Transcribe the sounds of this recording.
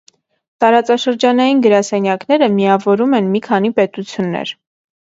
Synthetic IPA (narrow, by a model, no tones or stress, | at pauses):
t̪ɑɾɑt͡sɑʃəɾd͡ʒɑnɑjinɡəɾɑsɛnjɑknɛɾəmiɑvɔɾumɛnmikʰɑnipɛt̪ut͡sʰjunːɛ̰ɾ